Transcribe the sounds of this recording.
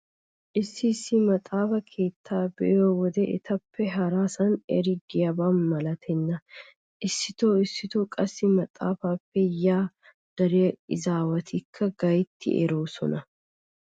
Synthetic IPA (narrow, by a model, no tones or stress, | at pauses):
ʔɪsːɪsːɪmɐt̪ʼaːfɐkʰe̞ːt̪ʰːaːbɛ̰oːwɔd̪ɛʔɪ̰t̪ʰɐpːɛɦɐɾaːsɐnɛ̰ɾɪɡɪjɐbanmɐlɐt̪ʰɛnːɐ | ʔɪsːɪt̪oːɪsːɪt̪oːkʼɐsːɪmɐt̪ʼa̰ːfaːfːɛjaː | d̪̥ɐɾɛɐɪzaːwɐt̪ʰɪkʰːɐɡɐjt̪ːɪ̰ʔɛ̰ɾoːsɔ̰nɐ